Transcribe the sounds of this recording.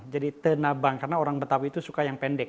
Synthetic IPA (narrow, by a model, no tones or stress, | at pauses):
d͡ʒadit̪ənabaŋkarnaoɾaŋbət̪awiiːt̪usukajaŋpɛndɛk̚